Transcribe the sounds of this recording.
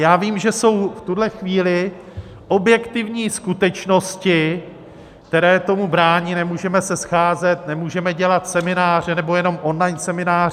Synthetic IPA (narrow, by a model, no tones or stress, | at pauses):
jaːviːmʒɛso̞wft̪udlɛxviːlɪ | ʔo̞bjɛkt̪ɪvɲiːskut̪ɛt͡ʃno̞scɪ | kt̪ɛɾɛːt̪o̞mubɾaːɲiːnɛmuːʒɛmɛsɛsxaːzɛt̪nɛmuːʒɛmɛɟɛlat̪sɛmɪnaːr̝ɛnɛbo̞jɛno̞mʔo̞nlajnsɛmɪnaːr